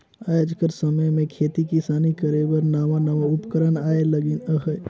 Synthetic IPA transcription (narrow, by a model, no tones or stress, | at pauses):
aːjad͡ʒkəɾsəməjmẽkʰeːt̪ikɪsaːnikəɾeʋəɾnaːʋanɐʋaʊpkəɾəɳaːeləɡɪnəɦə